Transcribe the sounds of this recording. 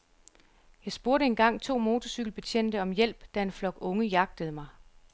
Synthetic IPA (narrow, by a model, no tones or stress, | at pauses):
jɑ̈ɪsb̥o̝ɐɾəe̝nɡ̥ɑ̈ŋ̰t͡sʰo̝̰ːmo̝ːt͡sʰɒsyɡ̥l̩b̥et͡ɕʰen̰d̥əɒ̽mjel̰b̥d̥æe̝nflɒ̽ɡ̥ɔ̽ŋəjɑ̈ɡ̥̚d̥əð̞̩ˠmɑ̈ɪ